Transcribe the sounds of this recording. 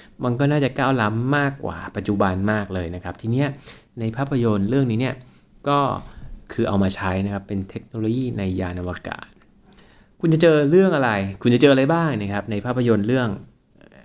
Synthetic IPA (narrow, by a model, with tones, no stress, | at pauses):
ma˧nk̬ɔː˥˩naː˥˩t͡ɕa˨˩kaː˥˩wla˦˥mːaː˥˩kːwa̰ː˨˩pa˨˩t̪̚t͡ɕu˨˩ba˧nmaː˥˩k̚lɤː˧jna˦˥kʰa˦˥p̚t̪ʰiː˧ni˦˥ɐ | na˧jpʰaː˥˩pʰːa˧jo˧nɾɯ˥˩əŋniː˦˥ni˥˩ɐ | kɔː˥˩kʰɯː˧ʔa˧wmaː˧t͡ɕʰa˦˥jna˦˥kʰa˦˥pːe˧nt̪ʰe˦˥k̚noː˧loː˧jiː˥˩na˧jːaː˧nʔa˧waː˧ka̰ː˨˩t̪̚ | kʰu˧nt͡ɕa˧˨t͡ɕɤː˧ɾɯ˥˩əŋʔa˧ɾa˧jkʰu˧nt͡ɕa˨˩t͡ɕɤː˧ʔa˧ɾa˧jbaː˥˩ŋna˦˥kʰa˦˥p̚na˧jpʰaː˥˩pʰːa˧jo˧nɾɯ˥˩əŋ